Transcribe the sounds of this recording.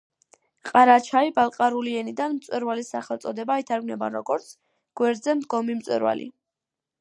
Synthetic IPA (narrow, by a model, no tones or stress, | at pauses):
qʼaɾat͡ʃʰaibalˠqʼaɾuliɛnid̪anmt̪sʼwɛɾvalisːaχɛlˠt̪sʼɔd̪ɛbait̪ʰaɾɡnɛba̰ɾɔɡɔɾt̪sʰ | ɡ̥wɛɾd̪zɛmd̪ɡɔmimt̪sʼwɛ̰ɾwa̰lḭ